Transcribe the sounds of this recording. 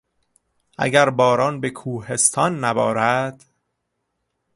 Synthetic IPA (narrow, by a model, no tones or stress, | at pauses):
ʔæ̰ɡæɾbɒːɾɒːnbekʰuːhe̞st̪ʰɒːnːæbɒːɾæd̪̥